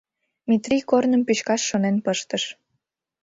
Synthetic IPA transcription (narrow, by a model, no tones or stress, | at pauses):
mit̪rikornəmpyɕkɑʃːonenpəʃt̪əʃ